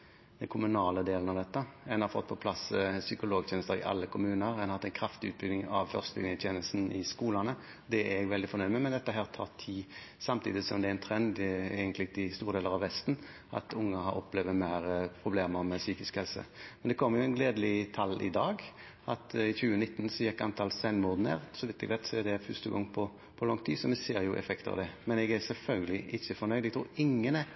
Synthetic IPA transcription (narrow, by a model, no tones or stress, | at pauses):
d̪̥ɛnkʰʊmʉnɑːləd̪eːln̩ɑʋd̪ɛt̪ːəɛnhɑɾfɔ̰t̪̚ːpʰɔpʰlɑssʏkʊloːɡt̪ʰjɛːnst̪əɾɪ̰ʔɑ̰lːəkʰʊmʉːnəɾɛnhɑt̪ːɛnkʰɾɑft̪ɪʉːt̪̚bʏɡnɪŋɑʋfœʁst̪əlɪ̰nɪət̪jɛːnəlsn̩ɪskuːlɑnə | d̪ɛæɛɡʋɛld̪ɪfɔnœɾməmɛnd̪ɛt̪ːəɦæːʁt̪ʰɑːʁt̪ʰiː | sɑmt̪ʰiːd̪ɪsɔmd̪ɛæɾæɪnt̪ʰɾɛnd̪eːɡənlɪɡt̪ɪst̪uːʁd̪eːləɾɑʋhɛst̪n | ʔɑ̰t̪ʊŋːəɦɑɾɔpleːʋəmæɪɾəpʰɾʊbleːməɾmɛsyːkɪskhɛlsə̰mɛnd̪ɛkʰɔmːəɾjʊɛnɡleːd̪əlɪt̪ʰɑlːɪ̰d̪ɑːɡ | ʔɑt̪ɪçʉːənɪt̪ːnsɔjɛkːɑnt̪ʰɑlsɛnmʊd̪nə̰ɾsɔʋɪt̪ːɛɡʋælt̪sɔɛd̪ɛfʉst̪əɡɔŋːpʰɔ | pʰɔlɔŋt̪ʰiːsɔmɛseːɾjʊʔɛ̰fɛkt̪əɑ̰ʋd̪ɛmɛnɛɡæsɛlfœlɡəlɪʔɪçːəfɔɾnœʏd̪ɛɡt̪ʰɾuːɾɪŋːənɛ